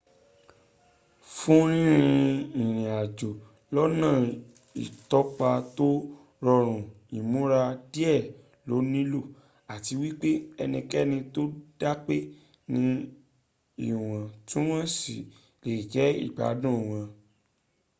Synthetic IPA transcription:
fũ˦ɾ̃ĩ˦ɾ̃ĩĩ˧ĩ˨ɾ̃ĩ˨a˨d͡ʒo˨ | lɔ˦nã˦˨ | ḭ˨tɔ˦k͡pa˧to˦ | ɾɔ˧ɾ̃ũ˨ | i˨mũ˨˦ɾa˧di˦ɛ˦˨ | lo˨˦nĩ˦lo˦˨ | a˨ti˧wi˦k͡pe˦ɛ˧nĩ˧kɛ˦˨nĩ˧to˦d̥a˦k͡pe˦ | nĩ˧˦ | i˦˨w̃ã˨tũ˦w̃ã˦si˨ | le˨d͡ʒɛ˨˦ḭ˦˨k͡pa̰˨˦dũ˦˨w̃ã˨˧

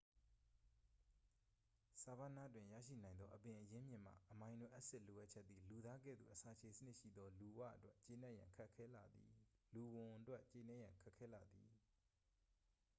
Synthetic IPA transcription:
sa˨ba˦na̰˦˨twɪ̃˨jä̰˦˨ʃḭ˦˨nã˨ɪ̃nd̪ðɔ˦ʔəpɪ̃˨ʔəjɪ̃˦mjɪ̃˨m̥a̰˦˨ʔəmã˨ɪ̃ndo̰˦˨ʔə˦ʔsɪ˦ʔlo˨ʔa˦t̚t͡ɕʰɛ˦t̪̚ːi˨lu˨d̪a˦ɡɛ̰˦˨d̪ðṵ˦˨ʔəsa˨t͡ɕʰe˨sənɪ˦ʔʃḭ˦˨d̪ɔ˦lu˨wa̰˦˨ʔətwɛ˦ʔt͡ɕe˨nɛ˦ʔjã̰˨ŋkʰa˦ʔkʰɛ˦la˨d̪ḭ˨lu˨wʊ̃˨ʔətwɛ˦ʔt͡ɕe˨nɛ˦jã˨ŋkʰa˦ʔkʰːɛ˦la˨d̪ḭ˨

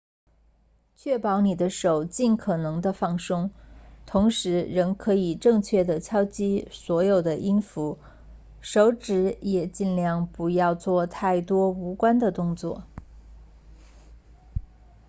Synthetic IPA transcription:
t͡ɕʰɥɛ˥˩pɑ˧˥ʊni˨˩d̪ə˦ʂo˨˩ʊt͡ɕi˥˩nkʰɤ˨˩nɤ˧˥ŋd̪ə˧fɑ˥˩ŋʂɤ˥ŋt̪ʰʊ˧˥ŋʂɻ̩˧˥ɻə˧˥ŋkʰɤ˧˥i˨˩ʈ͡ʂɤ˥˧ŋt͡ɕʰɥɛ˥˩d̪ə˩t͡ɕʰjɑ˥ʊt͡ɕi˥swɔ˧˥jo˨˩ʊd̪ə˦ʔi˥nfu˧˥ | ʂo˧˥ʊʈ͡ʂɻ̩˧˥jɛ˨˩t͡ɕi˥˧nljɑ˥˩ŋpu˧˥jɑ˥˧ʊt͡swɔ˥˧t̪ʰa˥˩ɪt̪wɔ˥u˧˥kwa˥nd̪ə˨t̪ʊ˥˧ŋt͡swɔ̰˥˩

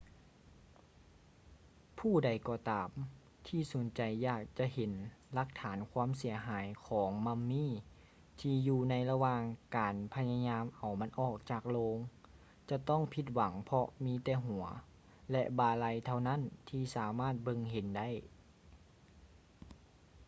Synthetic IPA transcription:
pʰuː˧˩da˨˩jkɔː˧˩t̪aː˨m | t̪ʰiː˧˩su˨˩˦nt͡ɕa˨jːaː˧˩k̚t͡ɕa˧he˨˦nla˧k̚t̪ʰaː˩˦nkʰwaː˧˥˨ms̬i˩˦ɐɦaː˨˩˦jkʰɔː˨˦ŋma˧˥mːiː˧˥˨ | t̪ʰiː˧juː˧na˧˥jla˧waː˧ŋkaː˨˩npʰa˧ja˧ɲaː˧˥mʔa˨˩wma˧˥nʔɔː˧˩k̚t͡ɕaː˧˩k̚loː˧ŋ | t͡ɕa˧t̪ɔ˥˨ŋpʰi˧˥t̪̚wa˨˦ŋpʰɔ˧miː˧˥t̪ɛː˧˩ɦu˨˩˦ɐ | lɛ˧ʔbaː˧la˧jt̪ʰa˧˩wna˥˨nt̪ʰiː˧˩saː˨˦maː˥˩t̪̚bɤ˧ŋɦe˨˦nda˥˩˨j

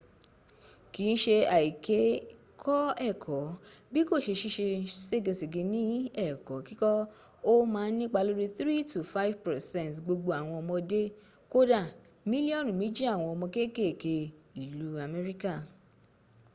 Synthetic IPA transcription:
ki˨˦n̩˦ʃe˧a˨i˨ke˨˦ | kʰɔ˦ɛ˦˨kʰɔ˨˦bi˦ko˦˨ʃe˧ʃi˧ʃe˧se˦ɡe˧se˨ɡe˨˧nĩ˦ɛ˦˨kɔ˨˦ki˦kɔ˦ | o˦mãː˦˧˦nĩ˦k͡pa˧lo˦ɾi˦θɾi˦tu˨fa˦i˦vpɛ˨sɛ̃˦˨tɡ͡bo˧ɡ͡bo˧a˨w̃ɔ̃˧ɔ˧mɔ̃˧de˦ | ko˦da˦˨ | mĩ˦li˦ɔ̃˦˨nũ˨mĩ˨˦d͡ʒi˦a˦˨w̃ɔ̃˧ɔ˧mɔ̃˧ke˦˨ke˦˨ke˧i˨lu˨˦a˧mɛ˦ɾi˦ka˦˨

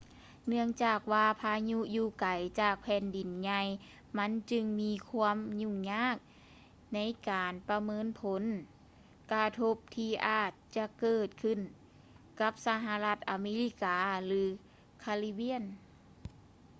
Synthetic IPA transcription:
nɯ˧əŋt͡ɕaː˧˩k̚waː˧pʰaː˧ɲu˧˥juː˧˩ka˨˩jt͡ɕaː˧˩k̚pʰɛː˧˩˨ndi˨˩nɲa˧j | ma˧˥˨nt͡ɕɯ˧ŋmiː˧˥kʰu˧˥əmɲu˧˨ɲaː˧˥˩k̚ | na˧˥jkaː˨˩npa˧mɤː˧˥˨npʰo˨˦n | ka˧t̪ʰo˧p̚t̪ʰiː˧ʔaː˨˩t̪̚t͡ɕa˧kɤː˧˩t̪̚kʰɯ˧˩˨n | ka˧˦˥p̚sa˧ɦa˧la˧t̪̚ʔa˨˧meː˧˥li˧˥kaː˨lɯː˨˦ | kʰa˧li˧˥bi˧˥ən

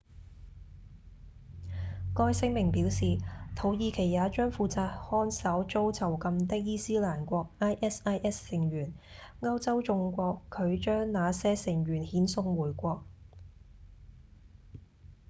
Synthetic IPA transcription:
kɔː˧jsɪ˥ŋmɪ˨˩ŋpiː˨˥wsiː˨t̪ʰo˨˧wjiː˨˧kʰe˨˩jːaː˨˧t͡ʃœː˥ŋfuː˧t͡saː˧t̚hɔː˥nsɐ˨˥wt͡ʃo˥wt͡sʰɐ˨˩wkɐ˧mt̪ɪ˥k̚jiː˥siː˥laː˨˩nkʷɔː˧k̚ʔaː˥jʔɛː˥saː˥jʔɛː˥sːɪ˨˩ŋjyː˨˩nŋɐ˥wt͡sɐ˥wt͡sʊ˧ŋkʷɔː˧kʰːɵ˨˧ɥt͡ʃœː˥ŋnaː˨˧sɛː˥sɪ˨˩ŋjyː˨˩nhiː˨˥nsʊ˧ŋwuː˨˩jkʷɔː˧k̚

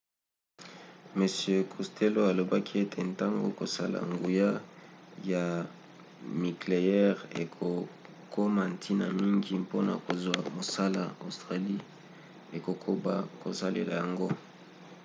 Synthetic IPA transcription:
me˨sjø˦˨kʰu˨stʰe˦lo˦a˨lo˨ba˦kʰi˦e˦tʰe˨nta˦ŋɡo˨ko˨sa˦la̰˨ŋɡu˨ja˦ja˨ | mi˨kle˨ɛ˦ʁe˨kʰo˨ | kʰo˦ma˨ntʰi˦na˨mi˦ŋɡi˨mpo˦na̰˨ko˨zwa˨mo˨sa˦la̰˨o˨stʁa˨li˦ | e˨ko˨kʰo˦ba̰˨ko̰˨sa˦lḛ˨la̰˨ja˨ŋɡo˦

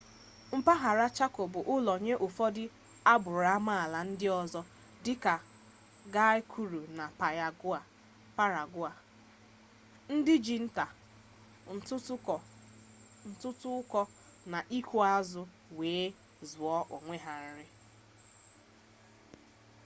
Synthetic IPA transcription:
m̩˦pa˦ɦa˨ɾa˦t͡ʃa˦ko˨bʊ˨ʔʊ˦lɔ˨ɲe˦ʔʊ˨fɔ˦dɪ˦ | a˦bʊ˨ɾa˦ma˦a˨la˨n̩˦dɪ˦ɔ˨zɔ˦ | dɪ˦ka˨ | ɡa˦ɪ˦kʰu˨ɾu˨na˨pa˨a˨ɡa˨ | pa˦ɾa˨ɡʊ˦a˨ | n̩˦dɪ˦d͡ʒi˨n̩˦ta˨˦˨ | n̩˨tʊ˦tʊ˦ʊ˦kɔ˦ | na˨ʔi˦kʷu˦a˦zʊ˦ | weː˨˦ | zʊ˨ɔ˦ʔo˨ŋʷe˦ɦa˨n̩˦ɾɪ˦

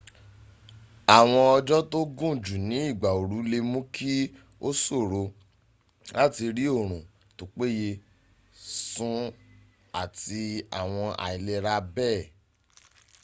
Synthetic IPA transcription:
a˨w̃ɔ̃˧ɔ˧d͡ʒɔ˦to˦ɡũ˦˨d͡ʒu˨nĩ˨˦i˦˨ɡ͡ba˨o˨ɾu˨˦le˧mũ˦kʰi˦ | o˦so˦˨ɾo˧ | la˦ti˧ɾi˦o˦˨ɾ̃ũ˨ | to˨k͡pe˦je˧ | sũ˦ | a˦˨ti˧a̰˨w̃ɔ̃˧ʔa̰˨i˨le˧ɾa˧˦bɛː˦˨

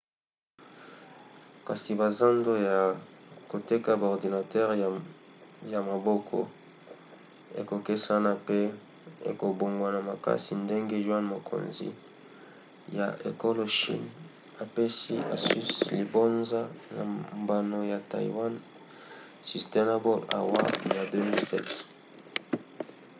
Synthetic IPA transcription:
ka˨si˨ba˨za˦ndo˦ja˨ko˨te˦ka˦ba˨ɔ˨ʁdi˨na˨tɛ˦ʁ | ja˨ma˨bɔ˦kʰɔ̰˨ | ḛ˨ko˨ke˦sa˦na˦pe˦ | ḛ˨ko˨bo˨ŋɡwa˨na˨ma˨ka̰˦si˨nde˦ŋɡe˦ʒwa˦nmo˨kʰo̰˨nzḭ˦ | ja˨ʔe˨ko˦lo˨ʃḭ˦n | a˨pe˦si˦a̰˨sy˦sli˨bo˦nza˦na̰˨mba˨no˨ja˨ta̰˨ḭ˨wa˦n | si˨ste˦na˦bo˦la̰˨wa̰˦ja˨dø˦mi˦lsɛ̰˦t

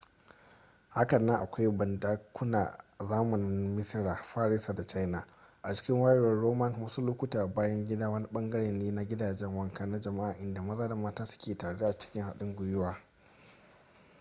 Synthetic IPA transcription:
ha˦kɐ˨nɐ˦ŋʔa̰˨kʷa˦jbɐ˨ndaː˦kʷʊ˦na̰ː˨zaː˦mʊ˨ni˦mɪ˦sɪ˦ɽaː˨ɸaː˦ɽɪ˦sa˨da˨t͡ʃa˦jna˨ | ʔa˨t͡ʃɪ̥˦kʲɪ˦ŋwaː˦jɪ˨wɐ˦ɽoː˦mɐ˦˨nwʊ˦su˦lu˦kʷʊ˦taː˨baː˦jɐ˦ŋɡʲɪ˦daː˦wɐ˦ni˦ɓɐ˦ŋɡɐ˦ɽeː˨nːeː˦na˦ɡʲɪ˦daː˨d͡ʒɛ˦ŋwɐ˦ŋkɐ˦na˦d͡ʒɐ˨ma˦ʔaː˨ʔɪ˦nda˨mɐ˦zaː˦da˨maː˦taː˦sʊ̥˦kʲeː˨taː˨ɽe˦ʔa˨t͡ʃɪ̥˦kʲɪ˦ŋha˨ɗɪ˦ŋɡʷʊ˦jʊ˦waː˦

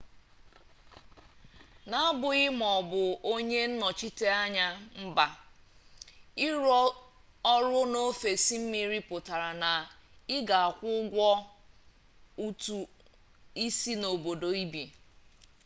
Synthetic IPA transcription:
na˦a˦bʊ˨ɣɪ˦m˨ɔ˨bʊ˨o˦ɲe˦n̩˦nɔ˨t͡ʃi˦te˦a˦ɲa˦m̩˦ba˨ | ɪ˦ɾɔ˦ | ɔ˦ɾʊ˦no˦fe˨si˦m̩˦mi˦ɾi˦pʊ˨ta˨ɾa˨na˨ɪ˦ɡa˨a˨kʷʊ˦ɡʷɔ˦ | u˦tu˨ | i˦si˦no˨bo˨do˨i˦bi˨

